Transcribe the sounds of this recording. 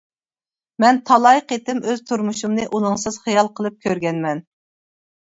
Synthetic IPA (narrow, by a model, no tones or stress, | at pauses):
mɛnt̪ʰɑlˠɑjəqet̪ɪmøz̥t̪ʰuɾmuʃumnɨʔulɨŋsɨz̥χijɑlˠqʰəlˠɨp̚kʲʰøɾɡʲɛnmɛn